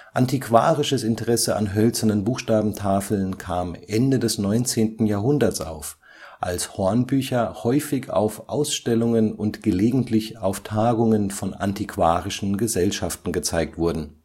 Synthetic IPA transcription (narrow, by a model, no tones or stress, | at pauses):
ʔantikv̥a̰ːʁɪʃəsɪntəʁɛsəʔa̰nɦœlt͡sɐnənbuːxʃtaːbm̩tʰaːfl̩nkʰaːmʔɛndədɛsnɔʏnt͡seːntn̩jaːɐɦʊndɐt͡sʔa̰ʊf | ʔalshɔɐnbyːçɐhɔʏfɪça̰ʊfʔa̰ʊsʃtɛlʊŋənʊntɡ̥əleːɡŋ̩tʰlɪçaʊftʰaːɡʊŋənfɔna̰ntikv̥aːʁɪʃn̩ɡəzɛlʃaftn̩ɡət͡saɪk̚tv̥ʊɐdn̩